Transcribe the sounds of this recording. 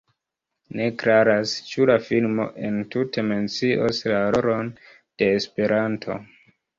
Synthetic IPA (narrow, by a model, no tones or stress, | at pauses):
ne̞kɾaɾast͡ʃulafilmo̞̰ʔe̞ntutʰe̞me̞nt͡siʔoslaɾoɾon | d̥e̞ːspe̞ɾʔantʰo̞̰